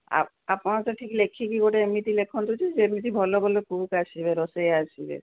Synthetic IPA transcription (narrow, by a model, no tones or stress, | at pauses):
a̰ | a̰pnat̪ɔʈʰiklekʰːikikoʈeemit̪ilekʰɔnt̪ut͡ʃʰid͡ʒeemit̪ibʱɔlobʱɔlokukasibeɾɔseasʰibḛ